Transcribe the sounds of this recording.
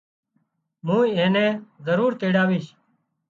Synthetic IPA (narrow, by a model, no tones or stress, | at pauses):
mũːiẽːnẽːzəɾuːɾt̪eːɽaːʋiːʃ